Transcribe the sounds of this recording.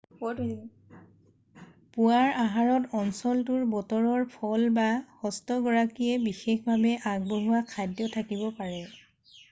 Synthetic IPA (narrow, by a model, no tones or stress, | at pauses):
puwaɹaɦaɹɔtɔnsɔltʊɹbɔtɔɹɔɹpʰɔlbaxɔstɔɡɔɹakijɛbixexbʱabɛʔaɡ̚boɦuwakʰːajdjɔtʰakibɔpaɹɛ